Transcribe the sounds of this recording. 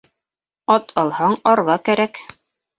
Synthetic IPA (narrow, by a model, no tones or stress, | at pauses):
ɒt̪ʰɑlˠhɑɴɑɾβɑkæɾæk